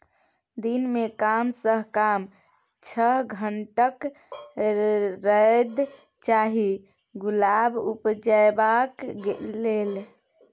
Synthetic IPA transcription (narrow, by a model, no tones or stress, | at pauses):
d̪inmekamsəɦkam | t͡ʃʰəɦɡʱəɳʈək | ɾəed̪ | t͡ʃaɦi | ɡulabupd͡ʒaebakɡelel